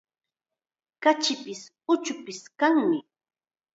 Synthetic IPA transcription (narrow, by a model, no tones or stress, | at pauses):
kat͡ʃɪpɪs | ʊt͡ʃʊpɪskaŋmɪ